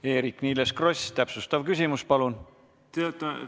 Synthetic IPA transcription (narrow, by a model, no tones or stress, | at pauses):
e̞ːɾikniːleskro̞sʲt̪æpsust̪ɑvkysʲimuspɑlun | t̪eot̪ːˑɑ